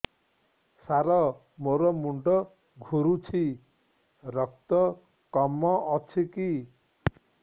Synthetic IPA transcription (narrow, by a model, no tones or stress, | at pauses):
saɾɔ | moɾɔmuɳɖɔ | ɡʱuɾut͡ʃʰi | ɾɔk̚t̪ɔ | kɔmːɔʔːt͡ʃʰiki